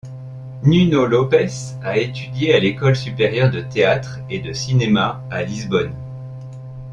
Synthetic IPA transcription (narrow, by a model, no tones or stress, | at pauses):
nynolɔpɛs | aet̪ʰyd̪jealekɔlsypeʁjœʁd̪ət̪eat̪χ | ed̪əsinema | alizbɔn